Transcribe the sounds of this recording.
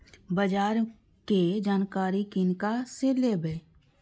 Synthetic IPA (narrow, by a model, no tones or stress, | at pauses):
bəd͡ʒaːɾ | ked͡ʒaːnkaːɾikɪnkaseleːbəː